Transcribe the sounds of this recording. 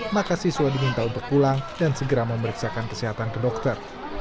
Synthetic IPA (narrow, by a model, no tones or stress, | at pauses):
makasiswadimint̪aunt̪ʊkːulaŋdansəɡəɾaməməɾiksakankəsiɦat̪ankədɔk̚t̪ər